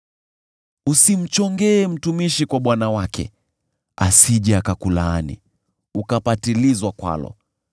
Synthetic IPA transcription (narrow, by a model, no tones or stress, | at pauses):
usim̩t͡ʃɔŋɡɛːm̩tumiʃikwaɓwanawakɛ̰ | asiʄɛakakulanḭ | ukapatilizwakwa̰lɔ̰